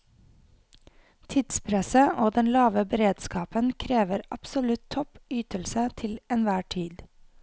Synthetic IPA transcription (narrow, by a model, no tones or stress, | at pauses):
t̪ʰɪd̪spʰɾɛsəʔoːd̪ɛnlɑːʋəbəɾeːd̪skɑːpənkʰɾeːʋəɾɑpsɔlʉt̪ʰɔpyːt̪əlsət̪ʰɪlɛnʋæːʈʰiːd̪